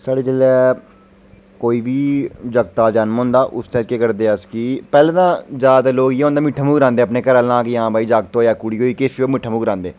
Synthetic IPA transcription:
saːɽeːd͡ʒɪleː | koːiːbiːd͡ʒəɡt̪aːd͡ʒanmɦõːnd̪aːʔʊ̰st̪əɾikeːkəɾd̪eːəskiːpɛːleːt̪ãːzjaːd̪aːloːɡjeõːnd̪aːmɪʈʰːaːmuːɡɾãːnd̪eːəpneːkəɾaːlãːkejãːbʱaːiːd͡ʒaːɡt̪oːjaːkuɽiːɦoːiːkeʃoːmɪʈʰːãmuːɡɾãːnd̪eː

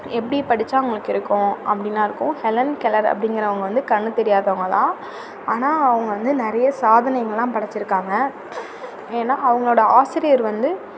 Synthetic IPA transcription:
ɛpːɐɽipɐɽɪt͡ʃːaːʊŋɡɐɭɯkːɪɾɯkːʊ̃ʔɐ̰pːɐɽɪnːaːɪɾɯkːʊ̃hɛlɐnkɛlɐɾɐ̰pːɐɽɪŋɡɪɾɐʋɐŋɡɐʋɐnd̪ɯkɐɳːɯt̪ɛɾɪjaːðɐʋɐŋɡɐlãː | aːnaːɐʋɐŋɡɐʋɐnd̪ɯnɪɾɐjɐsaːðɐnɐjɐŋɡɐɭlãːpɐɽɐt͡ʃːɪɾɯkːaːŋɡɐ | eːnːaːɐʋɐŋɡɐɭoːɽɐaːsɪɾɪjɐɾʋɐnd̪ɯ

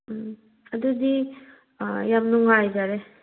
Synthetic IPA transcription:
ɐdud̪i | jam̚nuŋɦajzaɾe

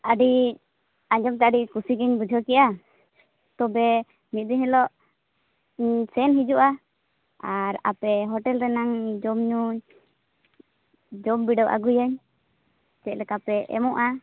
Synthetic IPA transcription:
aɖi | aɲd͡ʒɔmt̪aʔaɖikusikɛɲbud͡ʒʱɔkɛʔa | t̪ɔbɛ | mit̪̚ˀd̪iɲhɛlɔʔ | sɛnɦid͡ʒuʔa | aɾa̰pɛɦɔʈɛlɾɛnaŋd͡ʒɔmɲuɲ | d͡ʒɔmbiɖɔwʔa̰ɡujaɲ | t͡ʃɛc̪̚lɛkapɛɛ̰mɔʔa

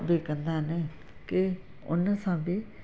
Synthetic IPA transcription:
d̪eːkənd̪aːne | kɪ | ʊ̰nəsãːbiː

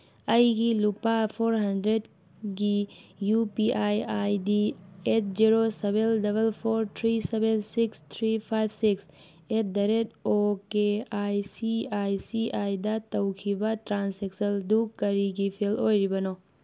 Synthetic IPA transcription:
ɐjɡilupapʰoːɾɦɐndɾed | ɡijupiʔaːjajdiet̪̚d͡ʒiɾosebelɖɐbəlfʰoːɾt̪ʰɾisebensikst̪ʰɾipʰaːjbsiks | et̪̚d̪ɐɾedokeaːjsiaːisiaːjd̪at̪ɐwkʰibaʈɾãːnseksəld̪ukkːɐɾiɡifʰeloːjɾibɐno

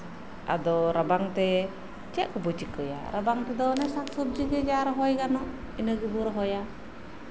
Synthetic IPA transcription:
ʔa̰dɔɾabaŋt̪ɛ | t͡ʃaʔkəbɔt͡ʃikəja̰ɾabaŋt̪ɛd̪ɔnɛsaksɔb̚d͡ʒiɡed͡ʒaɾɔɦɔjkanɔʔ | inəɡibuɾɔɦɔja

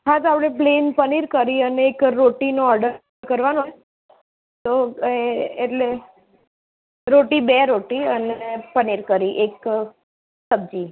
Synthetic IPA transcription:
ɦãd͡ʒ̪apɽ̃eplenpəniɾkəɾiəneːkɾoʈinoɔɾɖə | kəɾʋano | t̪oeːʈle | ɾoʈibeɾoʈiənepəniɾkəɾiʔek | səb̚d͡ʒi

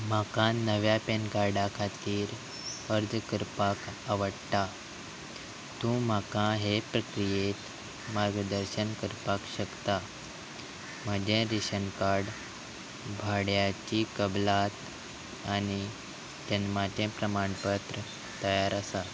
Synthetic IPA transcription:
m̤akãnəʋjapenkaɾɖakʰat̪iːɾ | əɾd̪kəɾpakaʋəɽt̪a | t̪ũm̤akãɦepɾəkɾijet̪ | maɾɡd̪əɾɕənkəɾpakɕəkt̪a | məd͡ʑẽɾiɕənkaɾɽ | bʱaɽjat͡ɕikəblat̪ | ani | t̪enmat̪ẽpɾəmaɳpət̪ɾə | t̪əjaɾasa

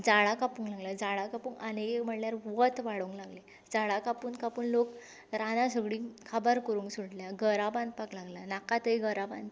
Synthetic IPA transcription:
d͡zaɭakapuːŋklaɡljad͡zaɭakapũːŋanekem̤əʈljaɾʋət̪ʋaɽuuŋklaɡle | d͡zaɭakapuːnkapuːnlok | ɾanasəɡɽiːkʰabəɾkəɾũːŋksuɽljaɡəɾaband̪paklaɡlanakat̪əjɡəɾaba̰n

